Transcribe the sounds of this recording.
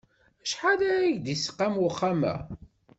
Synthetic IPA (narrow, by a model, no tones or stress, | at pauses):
æʃħalæɾæʝd̪isə̥qːamwʊχːamæ̰